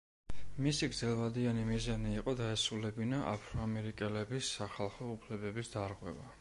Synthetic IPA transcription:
misiɡɾd̪zɛlˠvad̪ianimizaniːqʼɔd̪aɛsulɛbinaʔa̰pʰɾɔamɛɾikʼɛlɛbisːaχalˠχɔupʰlɛbɛbisd̪aɾʁwɛva

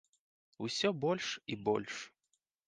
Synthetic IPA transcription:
usʲɔbɔlʲʂibɔ̰lʲʂ

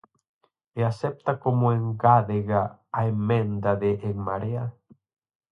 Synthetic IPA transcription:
easɛp̚t̪akomoeŋɡaðeɣaːemẽnd̪aðeʔːŋmaɾea

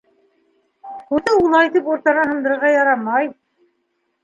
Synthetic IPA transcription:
huðɘulˠɑjt̪ipuɾt̪ɑnɑɦɤ̆nd̪ɤ̆ɾɤɾʁɑjɑɾɑmɑj

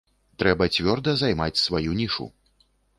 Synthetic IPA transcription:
t̪ɾɛbɐt͡sʲvʲɔrd̪ɐzajmat͡sʲsvajunʲiʂṵ

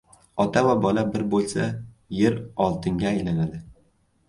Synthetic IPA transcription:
ɒt̪ʰavabɒlabɪɾbolˠsa | je̞ɾɒlˠt̪ʰɪŋɡʲaːjlanad̪ɪ

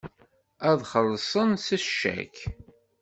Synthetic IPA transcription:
æðχəlːsˤənsəʃæ̰k

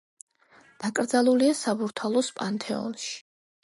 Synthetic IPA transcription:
d̪̥akʼɾd̪zalˠuliasabuɾt̪ʰalˠɔspʼant̪ʰʼɛɔ̰nʃi̥

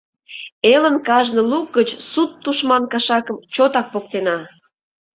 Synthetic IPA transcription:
elənkɑʒnəluk̚ɡət͡ɕsut̪ːuʃmɑnkɑʃɑkəmt͡ɕot̪ɑk̚pok̚t̪enɑ

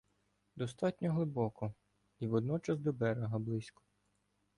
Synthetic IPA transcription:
d̪ɔst̪ɑtʲnʲɔɦlˠɪbɔkɔ | iʋɔd̪nɔt͡ʃɐzd̪ɔbɛɾeɦɐblˠɪsʲkɔ̥

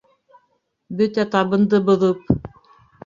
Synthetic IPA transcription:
bɵt̪æt̪ɑβɤ̆nd̪ɤbŏðɤp̚

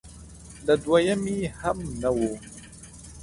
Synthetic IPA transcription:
ndaduwajamihamnawo

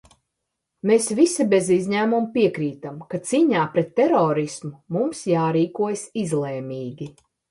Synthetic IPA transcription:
mesvisibezizɲæːmumpʲiɛkɾiːt̪amkat̪siːɲaːpɾɛt̪ːɛɾɔːɾismumumsjaːɾiːkuɔjsizlˠeːmʲiːɡʲi

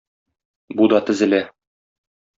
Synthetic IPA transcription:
bud̪ɑt̪ɘ̆zɘ̆læ

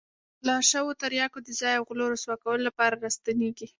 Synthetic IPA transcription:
laʃawot̪aɾjɑkod̪əzɑjawɣloɾoswɑkawəlolapɑɾaɾast̪aneɡi

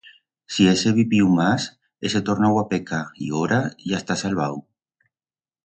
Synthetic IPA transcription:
sieseβipiwmas | eset̪oɾnawapekaḭoɾaiast̪asalβaw

